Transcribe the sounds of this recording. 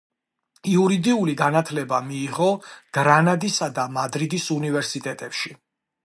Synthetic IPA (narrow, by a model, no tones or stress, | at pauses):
iuɾid̪iuliɡanat̪ʰlɛbamiːʁɔɡ̥ɾanad̪isad̪amad̪ɾid̪isunivɛɾsit̪ʼɛt̪ʼɛpʃi